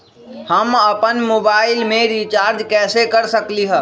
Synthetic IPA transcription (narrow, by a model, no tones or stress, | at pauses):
həməpənmoːbaːɪlmẽɾit͡ʃaːɾd͡ʒkɛːsekəɾsəkliɦə